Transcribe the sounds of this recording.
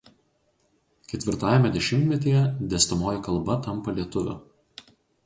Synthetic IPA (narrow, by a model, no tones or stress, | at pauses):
kʲɛt̪ʲʋʲɪɾt̪ɑːjɛmʲɛd̪ʲɛʃʲɪmʲt̪ʲmʲɛt̪ʲijɛd̪ʲɛːsʲt̪ɐmoːjɛkɐlˠbɐt̪ɐmpɐlʲiɛt̪ʊʋʲʊ̰